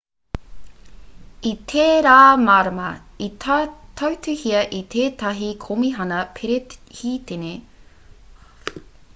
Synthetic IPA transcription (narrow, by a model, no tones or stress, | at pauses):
it̪ʰeːɾaːmaɾɐmɐit̪ʰɐwtʉhiɐʔit̪ʰeːt̪ɐɦikʰomiɦɐnɐpʰeɾehiːt̪ene